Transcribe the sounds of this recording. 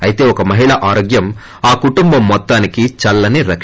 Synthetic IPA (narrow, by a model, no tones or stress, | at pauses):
ɐjit̪e̞ːɔkɐmɐɦiɭɐʔaːɾoːɡjɐm | aːkuʈumbɐmːɔt̪ːaːnikit͡ʃɐlːɐniɾɐk